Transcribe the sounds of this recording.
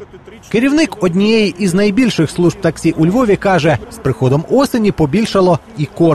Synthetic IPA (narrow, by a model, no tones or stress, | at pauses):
keɾʲiwnɪkɔdʲnʲijɛjiʔiznɐjbʲilʲʃɪxslˠuʒb̚t̪ɐksʲiʔʊlʲʋɔʋʲikɑʒɛspɾɪxɔd̪ɔmɔsenʲipɔbʲilʲʃɐlˠɔ | ikɔ